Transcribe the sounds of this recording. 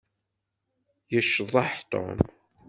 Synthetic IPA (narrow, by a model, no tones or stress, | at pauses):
jəʃːəðˤɑħt̪ˤːo̰m